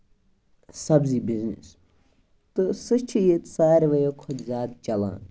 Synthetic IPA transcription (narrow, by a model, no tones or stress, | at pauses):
sɐbziːbiznḭs | t̪ɨsɨʃt͡ʃʰijet̪saːɾʲʋɐjokʰot̪zʲaːd̪̚d͡ʒɐlã̰ːn